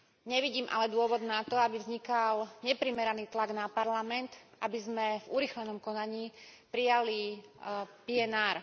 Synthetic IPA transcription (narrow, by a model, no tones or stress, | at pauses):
ɲɛʋiɟiːmʔa̰lɛd̪ʊɔʋɔd̪nat̪ɔabivzɲikalɲɛpɾimɛɾaniːt̪laɡnapaɾlamɛnt̪ʔabizmɛvuɾiːxlɛnɔmkɔnaɲiːpɾijali | piɛnaːɾ